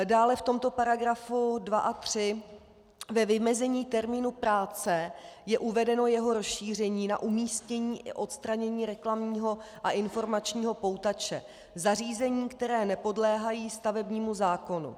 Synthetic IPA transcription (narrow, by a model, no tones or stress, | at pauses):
daːlɛft̪o̞mt̪o̞paɾaɡɾafudvaʔat̪r̝̥ɪ | vɛvɪmɛzɛɲiːt̪ɛɾmiːnupɾaːt͡sɛjɛʔuvɛdɛno̞jɛɦo̞ɾosʃiːr̝ɛɲiːna̰ʔumiːscɛɲiːʔɪʔo̞t̪st̪ɾaɲɛɲiːɾɛklamɲiːɦo̞ | ʔaʔɪnfo̞ɾmat͡ʃɲiːɦo̞po̞wt̪at͡ʃɛ | zar̝iːzɛɲiːkt̪ɛɾɛːnɛpo̞dlɛːɦajiːst̪avɛbɲiːmuzaːko̞nṵ